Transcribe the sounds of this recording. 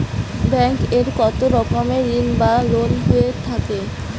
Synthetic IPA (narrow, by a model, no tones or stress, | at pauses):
bɛŋkeɾkɔt̪oɾɔkomeɾinbalonɦoet̪ʰake